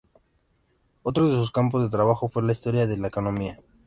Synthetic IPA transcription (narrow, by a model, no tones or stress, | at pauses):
o̞t̪ɾoðe̞suskampo̞zðe̞t̪ɾaβ̞axo̞fwe̞laist̪o̞ɾjaðe̞laeko̞nõ̞mia